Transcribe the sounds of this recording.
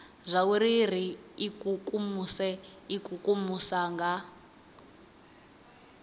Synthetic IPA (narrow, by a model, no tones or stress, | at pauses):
zʷauɾir̤iikʼukʼumusɛikʼukʼumusaŋɡa